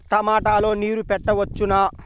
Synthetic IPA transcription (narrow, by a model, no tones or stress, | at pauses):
t̪ɐmaːʈaːlo̞ːniːɾupɛʈːɐʋɐt͡ʃːunɐ